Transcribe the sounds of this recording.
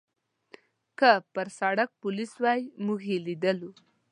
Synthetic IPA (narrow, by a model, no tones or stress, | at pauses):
kəpəɾsaɽak̚pʊliswɑjmuɡelid̪əlu